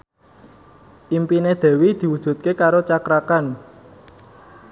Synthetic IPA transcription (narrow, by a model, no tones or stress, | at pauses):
ʔimpined̪̥e̤wid̪̥i̤wud̥ʒ̥ṳt̪̚kekaɾot͡ʃakɾakan